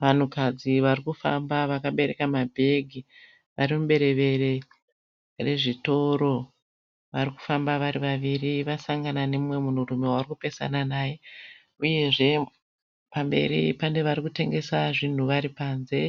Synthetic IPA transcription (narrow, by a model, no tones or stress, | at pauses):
ʋan̤ukad͡ziʋarikufa̰mbaʋakaɓe̞ɾe̞̰kamabʱe̞ɡʱi | ʋaɾimumɓe̞ɾe̞ʋe̞ɾe̞ | re̞ʐito̞ɾo̞ | ʋariku̥fambaʋaɾiʋaʋiriʋasaŋɡananemwe̞mun̤urume̞waurikupe̞sa̰nanaːje̞ | uje̞ʐe̞ | pambe̞̰ɾḭpande̞ʋaɾikute̞ŋɡe̞saʐin̤uʋaɾipaːnze̞